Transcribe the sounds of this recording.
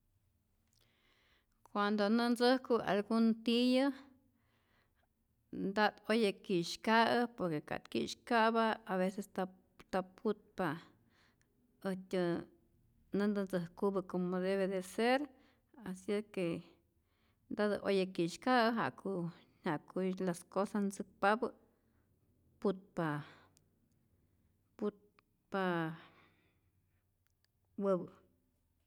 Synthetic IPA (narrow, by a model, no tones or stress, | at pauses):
kwand̪onɨnd͡zɨhkua̰lɡunt̪ijɨ | nd̪ad̪ojakiʃkaɨpoɾkeka̰t̪kḭʃkabaaβesest̪a | t̪apʰut̪̚pa | ɨtʲɨ | nɨnd̪ɨnd͡zɨhkubɨkomod̪eβed̪eseɾ | asike | nd̪ad̪ɨ̰ʔojakiʃkaɦa̰kʰun̥akulaskosasnzɨk̚pabɨ | put̪̚pa | put̪̚ | pa | wəbɨ